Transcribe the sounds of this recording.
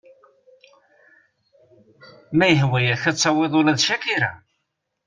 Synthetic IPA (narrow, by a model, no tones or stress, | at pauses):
mæjəɦwæjæçæsˤːɑweðˤʊlæðʃækiɾæ̰